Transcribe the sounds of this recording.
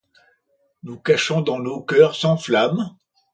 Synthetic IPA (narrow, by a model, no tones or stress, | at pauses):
nukaʃɔ̃d̪ɑ̃nokʲœʁsɑ̃flam